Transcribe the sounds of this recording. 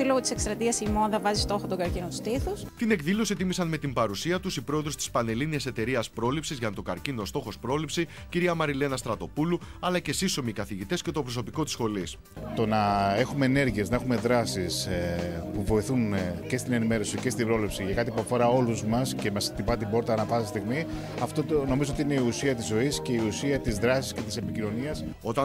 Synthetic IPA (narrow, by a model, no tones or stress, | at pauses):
iloɣot̪isekst̪ɾɐt̪iɐsimo̞nðɐvɐzist̪o̞xot̪oɡɐɾcinot̪u̥st̪iθust̪ine̞kðilo̞sit̪imisɐnme̞t̪imbɐɾusiɐt̪usipɾo̞eðɾo̞st̪i̥spɐne̞liniɐse̞t̪e̞ɾiɐspɾo̞lipsizʝɐt̪o̞ɡɐɾcino̞st̪o̞xo̞spɾo̞lipsi | ciɾiɐmɐɾile̞nɐst̪ɾɐt̪o̞pulu | ɐlɐce̞siso̞miːkɐθiʝit̪e̞sce̞t̪o̞pɾo̞s̬o̞piko̞t̪i̥sxo̞lis | t̪o̞nɐexume̞ːne̞ɾʝie̞znɐexume̞ðɾɐsis | puvo̞iθunce̞st̪ine̞nime̞ɾo̞sice̞st̪ibɾo̞lipsiʝɐkɐt̪ipuɐfo̞ɾɐo̞luzmɐsce̞mɐst̪ibɐt̪ibo̞ɾt̪ɐːnɐfɐsist̪iɣmi | ɐft̪oono̞mizoot̪iine̞iusiɐt̪izo̞isce̞iusiɐt̪izðɾɐsi̥sce̞t̪i̥se̞picino̞niɐs | o̞t̪ɐ